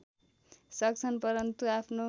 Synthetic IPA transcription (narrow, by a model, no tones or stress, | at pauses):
sʌkt͡sʰʌnpʌɾʌnt̪uapʰno